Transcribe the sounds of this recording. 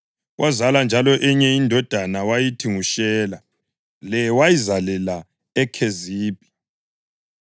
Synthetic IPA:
wʔazaland͡ʒʱalɔʔɛɲɛindʱɔd̥ʱanawajitʰiŋuʃɛːla | lɛwajizalɛla | ɛkʰeziːb̥̚ʼʱi

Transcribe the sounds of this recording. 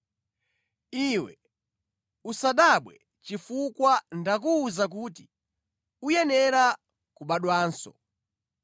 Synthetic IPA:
iwɛ | usaɗaɓwɛ | t͡ʃifukwandak̬uːzak̬uːt̬i | ujɛnɛɾa | kuɓaɗwaːnsɔ̰

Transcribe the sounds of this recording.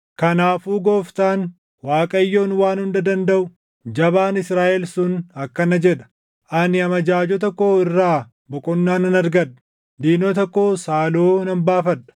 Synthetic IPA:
kɐnaːfuːɡoːft̪aːn | waːkʼɐjːo̞ːnwaːnhʊnd̪ɐd̪ɐnd̪ɐʔʊ | d͡ʒɐbaːnɪsɾaːʔɛlsʊnɐkːɐnɐd͡ʒɛᶑɐ̥ | ʔɐnɪɐmɐd͡ʒaːd͡ʒɔt̪ɔkːo̞ːɪrːaː | bɔkʼɔnːaːnɐnɐɾɡɐᶑ̪ɐ̥ | d̪iːnot̪ɔkːo̞ːsaːloːnɐmbaːfɐᶑɐ̥

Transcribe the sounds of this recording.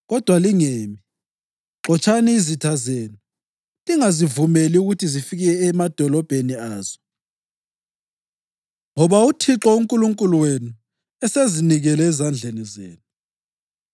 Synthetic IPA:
ɣɔd̥ʱwaliŋeːmi | ǁɔt͡ʃʰʼaniizitʰazeːnu | liŋazivumeliuɣutʰizifiɣɛɛɛmad̥ʱɔlɔb̥ʱeniaːz̥ɔ | ŋɔβautʰiǁɔuŋkʼuluŋkʼuluwenu | ɛseziniɣɛlɛːzand͡ɮʱenizeːnu

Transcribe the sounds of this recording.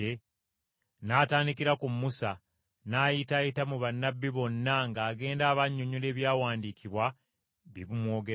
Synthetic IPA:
e | naːtaːndikiɾakumːusa | naːjitajitamuβanːabːiβo̞nːaŋɡaːɡe̞ːndaːβaɲːuɲule̞ːβjaːwaːndiːkʰiβwa | βiβumwo̞ːɡe

